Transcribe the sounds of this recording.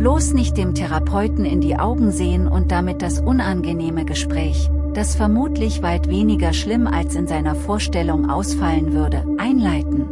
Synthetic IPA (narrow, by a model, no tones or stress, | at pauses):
b̥loːsnɪçt̚d̥eːmtʰɛʁapʰɔʏtn̩ɪndiːʔa̰ʊɡŋ̩zeːənʊ̰nt̚d̥amɪt̚d̥asʔʊnanɡəneːməɡəʃpʁ̥ɛːç | d̥asfɛɐmuːtʰlɪçv̥aɪtv̥eːnɪɡɐʃlɪma̰lsɪnzaɪnɐfoːɐʃtɛlʊŋʔa̰ʊsfalənvʏɐdəʔaɪnlaɪtn̩